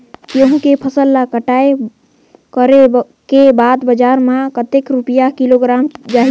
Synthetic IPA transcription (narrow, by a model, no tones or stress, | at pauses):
kjõɦũkepʰəsəlːakəʈaːe | kəɾe | kebaːd̪bəd͡ʒaːɾmãkət̪ekɾupijakiloɡɾaːmd͡ʒaːɦ